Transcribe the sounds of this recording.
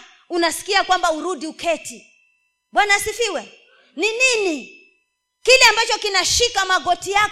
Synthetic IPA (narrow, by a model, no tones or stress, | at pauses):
unasi̥kiakwambauɾuɗiukɛti | ɓwanasifiwɛ | ninini | kilɛambat͡ʃɔkinaʃikamaɡɔtija